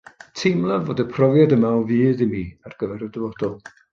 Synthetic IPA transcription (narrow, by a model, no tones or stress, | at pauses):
tʰɪmlˠavoːdəpʰrɔvjadəmawviːðimiarɡ̥əvɛɾədəvɔdɔlˠ